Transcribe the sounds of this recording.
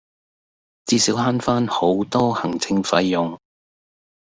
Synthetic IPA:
t͡siː˧siː˨˥wɦaː˥nfaː˥nho˨˥wt̪ɔː˥hɐ˨˩ŋt͡sʰɪ˧ŋfɐ̰˧jːʊ˨ŋ

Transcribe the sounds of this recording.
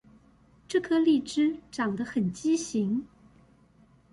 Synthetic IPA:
ʈ͡ʂɤ˥˩kʰɤ˥li˥˩ʈ͡ʂɻ̩˥ʈ͡ʂɑ˨˩ŋd̪ə˦xə˨˩nt͡ɕi˥ɕi˧˥ŋ

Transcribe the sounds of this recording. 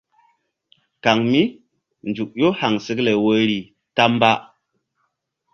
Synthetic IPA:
ka˨ŋmi˦ | nd͡ʒu˨k̚jo˦ha˨ŋsɨ˦kle˨wə˦ɾi˨ | ta˦mba˦

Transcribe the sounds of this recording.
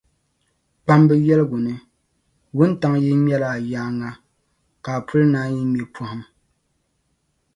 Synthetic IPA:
pa˦mbɛ˦jɛ˦lɨ˦ɡʊ˨nɨ˨ | wʊ˦n˦ta˦ŋ˦jɛ˦ɲɛ˦la˨jaː˦ŋa˦ | kaː˨pʰu˦lnaː˦jɛ˦mɛ˨pʰo˦hɨ˦m

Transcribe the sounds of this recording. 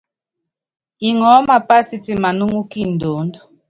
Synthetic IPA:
i˨ŋɔ˨˦ma˨pa˦si˦ti˨ma˨nu˦ŋu˦ki˦˨n̩˨do˨˦n˦du˦

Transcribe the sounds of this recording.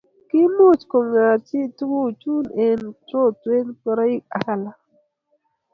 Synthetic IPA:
ki˦mo˦˨t͡ʃko˨ŋa˨t͡ʃi˦˨tu˦ɡu˦˨t͡ʃu˦ne˨nto˦twe˦npə˦ɾa˦i˦ka̰˨ka˦˨la˨

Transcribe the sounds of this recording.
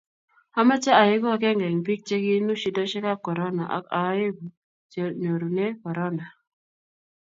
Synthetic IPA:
a˦ma˦t͡ʃa˦a˨je˦ɡɔ˦˨kɛ˦ŋɡɛ˨ŋpi˦k̚t͡ʃe˦ɡi˦nu˦ʃi˨dɔ˦ʃɛ˦ka˦kɔ˨ɾɔ˦na˨ʔa̰˨ka˨˦je˦ɡu˨ | t͡ʃe˨no˨ɾu˨ne˦kɔ˨ɾɔ˦na˨

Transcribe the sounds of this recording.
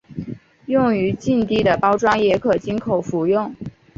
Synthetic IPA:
jʊ˥˩ŋy˧˥t͡ɕi˥˧nt̪i˥˩d̪ə˩pɑ˥ʊʈ͡ʂwɑ˥ŋjɛ˧˥kʰɤ˨˩t͡ɕi˥nkʰo˨˩ʊfu˨˧˥jʊ˥˩ŋ

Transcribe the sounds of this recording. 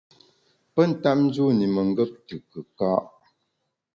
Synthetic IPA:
pə˦˨n̩˨ta˦m̚n̩˦d͡ʒu˦ni˨mə˨ŋ˦ɡə˦p̚tɯ˨kə˨ka˦ʔ

